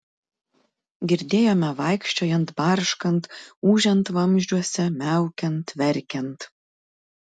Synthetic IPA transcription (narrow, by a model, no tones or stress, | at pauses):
ɡʲɪɾʲd̪ʲeːjoːmʲɛʋɐɪkʃʲt͡ʃʲoːjɛnt̪bɐɾʃkɐnt̪uːʒʲɛnt̪ʋɐmʲʒʲd͡ʒʲuɔsʲɛmʲæˑʊkʲɛnt̪ʋʲɛɾʲkʲɛnt̪